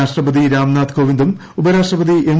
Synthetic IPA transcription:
aːʂʈrɐbɐd̪iɾaːmnaːd̪kʰoːʋind̪um | ubɐɾaːʂʈrɐbɐðieɳ

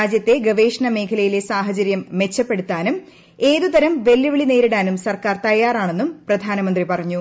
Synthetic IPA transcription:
aːd͡ʑjɐt̪ːe̞ɡɐʋe̞ːʂɐɳɐme̞ːkʰɐlɐjile̞saːɦɐt͡ɕɐɾjɐmːe̞t͡ɕːɐpːe̞ɽut̪ːaːnum | e̞ːðut̪ɐɾɐmʋe̞lːuʋiɭine̞ːɾiɽaːnumsɐrkaːrt̪ɐjaːraːɳe̞nːumprɐd̪ʱaːnɐmɐnd̪ripɐrɐɲːu

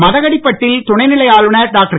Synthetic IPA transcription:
mɐðɐɣɐɽɪpːɐʈːɪlt̪ʊɳɐɪnɪlɐjaːlɯnɐɖaːk̚ʈɐɾ

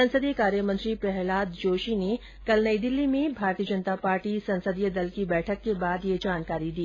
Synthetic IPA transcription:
ɐ̃nsəd̪ijəkaːɾjəmə̃nt̪ɾipɾɛɦlaːd̪d͡ʒoːʃine | kɐlnəid̪ɪlːimẽbʱaːɾt̪ijəd͡ʒənt̪apaːɾʈisɐ̃nsəd̪ijəd̪ɐlkibɛːʈʰəkːebaːd̪jed͡ʒaːnkaːɾid̪iː

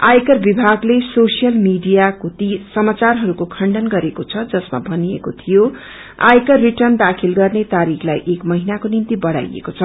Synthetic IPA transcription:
ajkʌrbibʱaɡlesosijʌlmiɖijakot̪isʌmat͡sarɦʌɾukokʰʌɳɖʌnɡʌɾekot͡sʰʌd͡zʌsma̰bʱʌnijḛkot̪ʰijo | a̰jkʌrːiʈʌrnd̪akʰilɡʌrnet̪aɾikʰlajʔekmʌɦinakonint̪ibʌɽa̰jḛkot͡sʰʌ

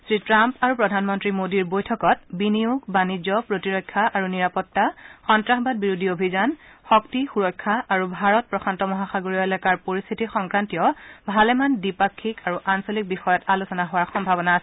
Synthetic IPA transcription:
sɹitɹampaɹupɹɔdʱanmɔntɹimodiɹbojtʰɔkɔt̚biniuɡbanid͡ʑɔpɹotiɹɔjkʰːaʔaɹuniɹapɔtːaxɔntɹaxbad̚biɹudʱiobʱizanxɔktixuɹɔjkʰːaʔːɹubʱaɹɔt̚pɹɔkʰantɔmɔɦaxaɡoɹijɔɛlɛkaɹpoɹist̪ʰitixɔŋkɹantiɔbʱalɛmandipakʰːikaɹuʔansolik̚bixɔjɔtalusɔnaɦowaɹxɔmbʱabɔnaːsɛ

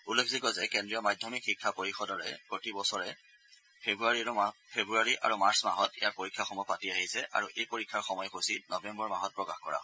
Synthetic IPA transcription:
ulːekʰzikɔzɛkɛndɹijɔmajdʱɔmikxikʰːapoɹixɔdɔɹɛ̰pɹotibɔsɔɹɛ | pʰebuaɹipʰebɹuaɹiʔa̰ɹumaɹsmaɦɔtḭjaɹpoɹikʰːaxɔmɔpatiaɦisɛʔa̰ɹuʔejpoɹikʰːaɹxɔmɔjɛxosinɔbɛmbɔɹmaɦɔt̚pɹɔkaxkɔ̰ɹa̰

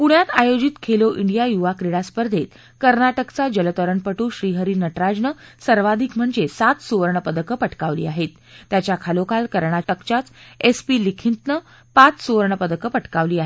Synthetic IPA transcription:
puɽ̃jat̪ajod͡ʑit̪kʰeloʔiɳɖijajuʋakɾiɽaspəɾd̪ʱet̪ | kəɾɳaʈəkt͡sad͡ʑələt̪əɾəɳpəʈuːɕɾiːɦəɾiːnəʈɾad͡ʑnəsəɾʋad̪ʱikm̤əɳd͡zesat̪suʋəɾɳəpəd̪əkəpəʈkaʋlḭːaɦet̪ːjat͡ɕjakʰalokalkəɾɳaʈəkt͡ɕat͡sespilikʰint̪nə | pat͡ssuʋəɾɳəpəd̪əkəpəʈkaʋliːaɦe

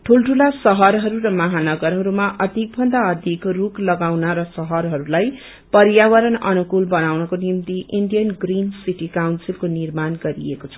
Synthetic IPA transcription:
ʈʰulʈʰulasʌɦʌɾɦʌɾuɾʌmʌɦanʌɡʌɾɦʌɾumaʔʌd̪ʱik̚bʱʌnd̪aʌd̪ʱikruklʌɡawnʌɾʌsʌɦʌɾɦʌɾulaj | pʌɾjawʌɾʌnʌ̰nukulbʌnawnʌkonimt̪iʔiɳɖijʌnɡrinsiʈikawnsilkonirmanɡʌɾḭḛkot͡sʰʌ̥

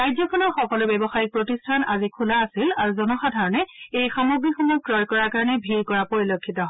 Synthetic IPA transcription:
ajdjɔkʰɔnɔɹxɔkɔlʊbɛbɔxajik̚pɹotistʰanazikʰulaːsilaɹuzɔnɔxadʱaɹɔnɛejxamoɡɹixɔmɔj̚kɹɔjkɔɹakaɹɔnɛbʱiɹkɔɹapoɹilokʰːitɔɦɔ

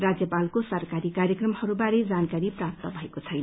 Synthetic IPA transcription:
rad͡zjʌpalkosʌrkaɾikaɾjʌkrʌmhʌɾubaɾed͡zankaɾiprap̚t̪ʌbʱʌekot͡sʰʌjnʌ

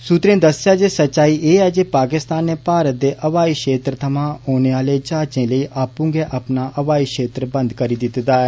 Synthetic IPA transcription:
sut̪ɾẽːd̪əsːɪjaːd͡ʒeːsətːʃaːiːʔeːɛːd͡ʒeːpaːkɪst̪aːnːeːpaːɾət̪̚d̪eːʔəʋaːiːʃeːt̪ɾət̪ʰəmãːoːneːaːleːd͡ʒaːt͡ʃẽːləiːʔaːpũːŋɡeːʔaːpnaːʔəʋaːiːʃeːt̪ɾbə̃nd̪kəɾiːd̪ɪt̪d̪aːɛː

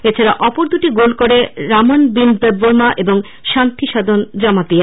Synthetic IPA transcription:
et͡ɕʰaɾaʔɔpoɾd̪uʈiɡolkoɾeɾamonbind̪əbboɾmaʔeboŋ | ʃant̪ʰiʃad̪ʱondɔmat̪ia

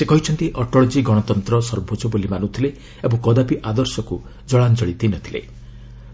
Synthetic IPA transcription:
sekɔɦit͡ʃʰɔnt̪iʔɔʈɔɭɔd͡ʒiɡɔɽ̃ɔt̪ɔnt̪ɾɔsɔɾbʱod͡ʒɔbulimanũt̪ʰile | ebɔŋkɔd̪apiʔad̪ɔɾsɔku | d͡ʒɔɭand͡ʒɔɭit̪inɔt̪ʰilḛ

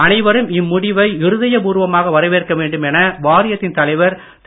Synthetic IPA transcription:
ɐnɐɪʋɐɾɯmɪmːʊɽɪʋɐɪɪɾɯðɐjɐpuːɾʋɐmaːɣɐʋɐɾɐɪʋeːrkːɐʋeːɳɖɯmɛnɐʋaːɾɪjɐt̪ːɪnt̪ɐlɐɪʋɐɾ | t̪

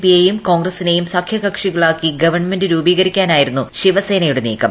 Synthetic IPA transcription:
piejumko̞ːŋɡrɐsinejumsɐkʰjɐɣɐkʂiɣɐɭaːkːiɡɐʋɐrɳme̞ndɨɾuːbiːɣɐɾikʲːaːnaːjiɾunːuɕiʋɐse̞ːnɐjuɽenḭːkːɐm

